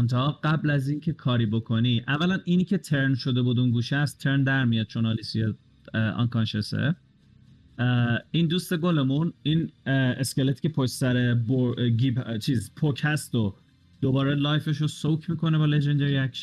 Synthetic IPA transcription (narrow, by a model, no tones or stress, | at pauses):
ont̪ʰɑɒɡ̥æblæziːncʰe̞kʰɒːɾiːbo̞kʰo̞niʔævːælæniːniːkcʰe̞t̪ʰe̞ɾnʃo̞d̪e̞buːd̪unɡuːʃæst̪ʰːe̞ɾnd̪æɾmijɒd̪̚t͡ʃʰonɑlisije | ɒ̰nkɑnʃesḛ | ind̪uːst̪e̞ɡole̞muniːnescʲelet̪i̥cʰe̞pʰoʃsæɾeboɡibt͡ʃʰiːzpʰocʰhæst̪o | d̪̥obɒːɾelɒːjfe̞ʃ̬osowkʰmiːko̞nebɒːled͡ʒend̪eɾiækʃen